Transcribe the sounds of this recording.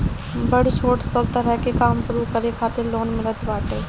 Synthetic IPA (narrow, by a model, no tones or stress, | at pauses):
bəɽt͡ʃʰoːʈsɐɾt̪əɾɛkekaːmsʊɾukəɾekʰaːt̪ɪɾloːnmɪlət̪baːʈeː